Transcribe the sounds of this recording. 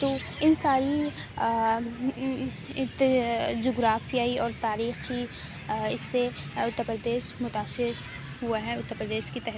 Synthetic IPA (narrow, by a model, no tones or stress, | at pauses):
t̪oː | ɪnsaːɾi | d͡ʒoːɡɾaːfijaiɔːɾt̪aːɾiːxi | ɪsːeʊt̪ːəɾpɾəd̪eːʃmʊt̪aːsɪɾ | huaɦɛʊt̪ːəɾpɾəd̪eːʃkit̪ɛɦ